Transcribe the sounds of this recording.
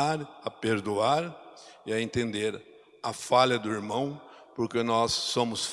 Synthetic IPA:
aɾɐpeɾd̪uaɾɪɐẽnt̪ẽnd̪eɾ | ɐfaʎɐd̪ʊiɾmɐ̃w̃ | poɾkenɔsːõmʊsf

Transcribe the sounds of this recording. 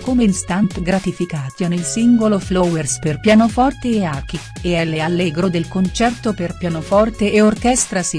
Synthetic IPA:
komeinst̪ant̪ɡɾat̪ifikaːt̪jonelsiŋɡoloflɔwersperpjanofɔrt̪eːaːki | eɛlːealːɛːɡɾod̪elkont͡ʃɛrt̪operpjanofɔrt̪eʔeorkɛst̪ɾasi

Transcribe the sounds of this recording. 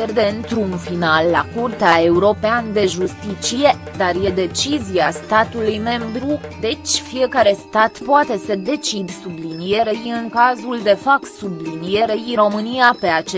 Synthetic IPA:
jerd̪e̞nt̪ɾuːnfinalːakurt̪eae̞uɾo̞peand̪e̞ʒust̪it͡ʃije̞d̪arje̞d̪e̞t͡ʃiziast̪at̪ulujme̞mbɾud̪e̞t͡ʃʲfije̞kaɾe̞st̪at̪poat̪e̞səd̪e̞t͡ʃid̪sublinijeɾejiɨŋkazuld̪e̞fap̚t̪sublinijeɾejiɾo̞mɨnijape̞at͡ʃe

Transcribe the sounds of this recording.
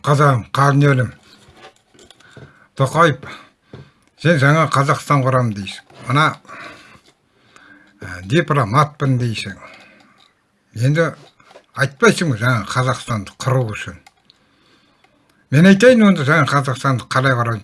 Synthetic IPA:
qʰɑzɑʁəmqʰɑlənelɪm | t̪ʰoqɑjəp | se̞nʒɑɴɑqʰɑzɑqst̪ɑɴqʰʊɾɑmnd̪ejsɪ̥ŋmənɑ | d̪ʲiplˠomat̪̚pɪnd̪ejsɪŋ | je̞nd̪ɪ | ɑjt̪̚pɑjsəŋbʒɑɴɑqʰɑzɑqst̪ɑnd̪ə̥qʰʊɾuwʏʃɪn | me̞nɑjt̪ɑjənwo̞nd̪ɑʒɑɴɑqʰɑzɑqst̪ɑnd̪əqʰɑlˠɑjqʰʊɾɑj

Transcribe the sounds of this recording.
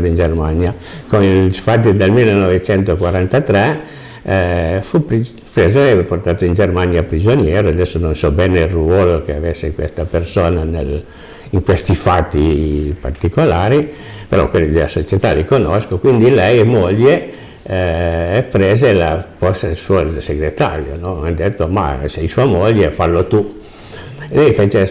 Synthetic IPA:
ɾoind͡ʒermanjakonilsfat̪ːid̪elmilːenovet͡ʃɛnt̪okwaɾant̪at̪ɾɛ | fupi | pɾeːzoɛport̪aːt̪oind͡ʒermanjapɾid͡ʒonjɛːɾoad̪ɛsːononsɔbɛːneilruɔːlokeavesːekwḛst̪apersoːnanḛl | iŋkwest̪ifat̪ːipart̪ikolaːɾi | peɾɔ̰kwelːid̪ela̰sot͡ʃet̪alikonoskokwind̪ilɛjmoʎːe | pɾeːzelapɔssuoseɡɾet̪a̰ɾjonɔad̪et̪ːoma̰sɛjsuːamoʎːefalːot̪u | lɛjfeːt͡ʃe

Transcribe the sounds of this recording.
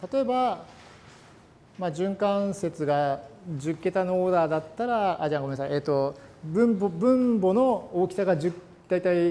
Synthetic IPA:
t̪at̪o̞e̞ba | mad͡ʑɨ̃ŋkãse̞t͡sɨɡad͡ʑɨkːe̞t̪anooːd̪aːd̪at̪ːaɾaaʑiaŋɡoenasajet̪ːo̞bɯ̟̃mbobɯ̟̃mbo̞no̞oːkʲi̥saɡad͡ʑɨk | d̪̥ait̪ai

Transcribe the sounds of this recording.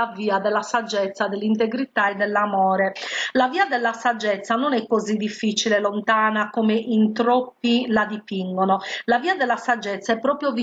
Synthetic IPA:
aviːad̪ɛlːasad͡ʒːɛt̪sːad̪elːint̪eɡɾit̪aɛd̪ːɛlːamɔːɾɛlaviːad̪ɛlːasad͡ʒːɛt̪sːanonɛkːozid̪ːifːit͡ʃilelont̪aːnakomeʔint̪ɾopːilad̪ipiŋɡɔnolaviːad̪ɛlːasad͡ʒːɛt̪sːaɛpːɾɔːpɾjovi

